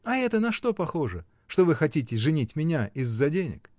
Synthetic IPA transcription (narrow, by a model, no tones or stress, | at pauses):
ɐɛt̪ənɐʂt̪o̞pɐxo̞ʐə | ʂt̪o̞vɨxɐtʲitʲɪʐɨnʲitʲmʲɪnʲaʔɪzːɐdʲenʲɪ̰k